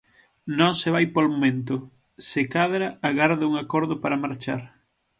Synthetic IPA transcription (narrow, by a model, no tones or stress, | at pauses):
nõŋsɪβajpolmomẽnt̪ʊ | sɪkaðɾaaɣaɾðauŋakɔɾðopaɾɐmaɾt͡ʃaɾ